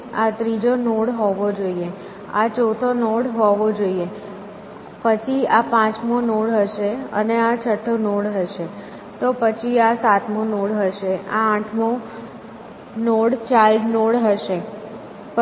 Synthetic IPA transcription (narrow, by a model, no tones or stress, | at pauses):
at̪ɾid͡ʒonoɽɦoʋod͡ʒoie | a̰t͡ʃot̪ʰonoɽɦoʋod͡ʒoie | pət͡ʃʰiapãt͡ʃmonoɽɦəʃeə̰neat͡ʃʰəʈʰːonoɽɦəʃe | t̪opət͡ʃʰiasat̪monoɽɦəʃeãːʈʰmo | noɽt͡ʃalɖnoɽɦəʃe | p